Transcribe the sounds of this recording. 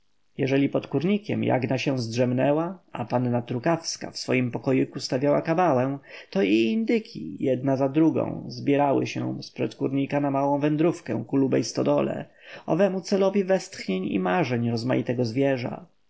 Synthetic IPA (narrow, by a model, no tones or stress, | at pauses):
jɛʐɛlʲipɔt̪kuɾɲikʲɛ̰mja̰ɡnaɕɛw̃zdʐɛmnɛwaʔa̰panːat̪ɾukafska̰fsfɔjimpɔkɔjukust̪avʲjawakabawɛw̃t̪ɔiːnd̪ɘkʲʰḭjɛd̪nazad̪ɾuɡɔ̰̃w̃zbʲjɛɾawɘ̰ɕɛ̰̃spʂɛt̪kuɾɲikanamawɔ̃w̃vɛnd̪ɾufkɛ̰̃kulubɛ̰jst̪ɔd̪ɔlɛ̰ | ɔ̰vɛmut̪sɛlɔvʲivɛst̪xɲeɲḭmaʐɛɲɾɔzma̰jit̪ɛɡɔzvʲjɛʐa̰